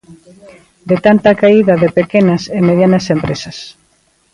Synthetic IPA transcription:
d̪et̪ant̪ɐkaiðɐðepekenɐsemeðjanɐsempɾesɐs

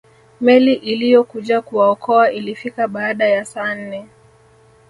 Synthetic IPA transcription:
mɛliʔilijɔkuʄakuwaɔkɔaʔilifikaɓaːɗajasaːn̩nɛ

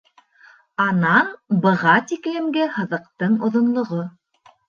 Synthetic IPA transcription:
ɑnɑnbɤ̆ʁɑt̪iklɘ̆mɡɘhɤ̆ðɤ̆qt̪ɤɴŏðŏnlˠŏʁo

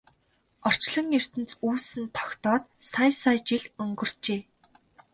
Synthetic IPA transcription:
ɔr̥t͡ɕɮə̆ŋer̥t̪ɘ̆nt͡suːsɘ̆nt̪ʰɔ̥xt̪ɔːt̪sajsajt͡ɕiɮɵŋɡɵ̆r̥t͡ɕeː

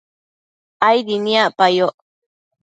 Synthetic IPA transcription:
ajd̪iniaʔpajoʔ

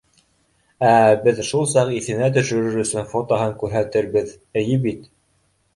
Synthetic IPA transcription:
æbɘðʃulˠsɑqiθɘ̆næt̪̬ɵ̆ʃɵ̆ɾɘɾɵ̆sɵnfot̪oɦɤŋkʉɾɦæt̪ɘɾbɘð | ɘ̆jɘbit̪

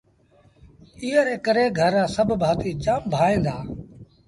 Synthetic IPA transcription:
iːəɾeːkəɾeːɡʱəɾːãːsəbʱbʱaːt̪iːt͡ʃaːmbʱaːẽːnd̪aː

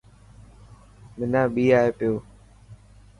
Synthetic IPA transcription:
mɪnãːɓiːaːeːpɪjoː

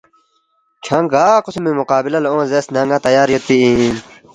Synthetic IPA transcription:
kʰãːŋɡaːqʊsmimʊqaːbilɐleõːnzeːsnãŋɡãt̪ɐjaːɾjot̪iĩn

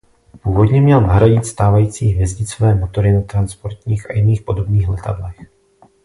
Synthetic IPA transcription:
puːvo̞dɲɛmɲɛlnaɦɾaɟɪt̪st̪aːvajiːt͡siːɦvjɛzɟɪt͡sovɛːmo̞t̪o̞ɾɪnat̪ɾanspo̞ɾt̪ɲiːxʔajɪniːxpo̞do̞bniːxlɛt̪a̰dlɛx

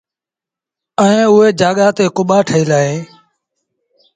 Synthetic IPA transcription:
əẽːʊɦeːd͡ʒaːɠaːt̪eːkʊɓaːʈʰəiːlaːɦeː

